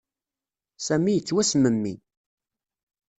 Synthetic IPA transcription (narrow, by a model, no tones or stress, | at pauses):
sæmijət͡sːwæsməmːḭ